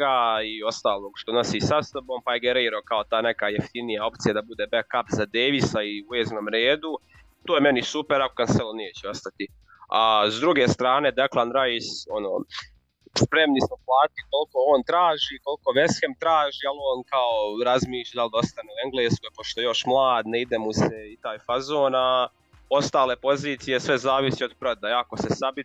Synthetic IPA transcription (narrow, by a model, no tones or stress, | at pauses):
aio̞st̪aːlˠo̞ːɡʃt̪o̞no̞sisasobo̞mpajeɡeɾiːɾokaot̪aːne̞kajeft̪inijao̞pt̪sijad̪abud̪eːbekapzad̪eːʋisaiueznomɾeːd̪u | t̪oːjeme̞nisupeɾakokanseloneːt͡ɕɛo̞st̪at̪i | azd̪ɾuɡe̞ːst̪ɾaːne̞ːd̪eklˠanɾajso̞no̰ː | spɾe̞mnismoplˠaːt̪iko̞lko̞oːnt̪ɾaːʒiːko̞lko̞ʋesxemt̪ɾaːʒiːaloːnkaoɾazmiːʃlʎad̪ald̪o̞st̪aneue̞ŋɡleːskoepo̞ʃt̪oejo̞ʃmlˠaːd̪neid̪emuseit̪aːjfazo̞ːna | o̞st̪aːle̞po̞ziːt̪sije̞sʋe̞zaːʋisiod̪pɾod̪aako̞sesabi